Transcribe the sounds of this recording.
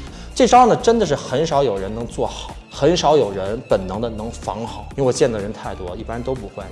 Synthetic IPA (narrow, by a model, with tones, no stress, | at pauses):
ʈ͡ʂe˥˩ɪʈ͡ʂɑ˥nə˩ʈ͡ʂə˥nd̪ə˨ʂ̬ɻ̩˥˩xə˧˥nʂɑ˧˥ʊjo˨˩ʊɻə˧˥nnɤ˧˥ŋt͡swɔ˥˩xɑ˨˩˦ʊxə˧˥nʂɑ˧˥ʊjo˨˩ʊɻə˧˥npə˨˩nnɤ˧˥ŋd̪ə˧nɤ˧˥ŋfɑ̰˧˥ŋxɑ˨˩˦ʊi˥˧˥t͡ɕjɛ˥˩nd̪ə˨˩ɻə˧˥nt̪ʰa˥˩ɪt̪wɔ̰˥i˥˩pa˥nt̪o˥ʊpu˧˥xwe˥˩ɪ